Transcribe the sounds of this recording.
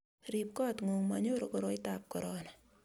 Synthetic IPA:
ɾip̚kɔ˦tŋo˨ŋma̰ɲo˦ɾo˨ko˨ɾo˦ɪ˦tap̚kɔ˨ɾɔna

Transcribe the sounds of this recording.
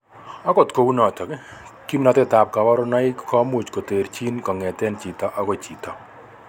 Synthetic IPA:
ɔ˦kɔ˨t̪ko˨wu˦nɔ˨t̪ɔ˨ke˦ | ki˦mnɔ˦t̪kɛ˦˨t̪a˨p̚ka˨wɔ˦ɾɔ˦na˦ɪ˦kɔ˦mu˨t͡ʃko˨t̪e˨ɾt͡ʃi˦nkɔ˨ŋɛ˨t̪ɛ˦nt͡ʃi˨t̪ɔ˨ʔɔ˦ko˦˨t͡ʃi˨t̪ɔ˨

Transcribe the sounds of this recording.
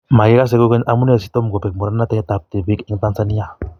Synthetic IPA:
ma˨ji˦ɣa˦s̬e˦ko˦ɡe˦ɲamu˦ne˦˨si˦t̪o˦m˨ɡo˨pe˨k̚mo˨ɾa˦na˦t̪e˦t̪a˨p̚t̪e˨bi˦ke˦ŋt̪a˦nsani˦a˨

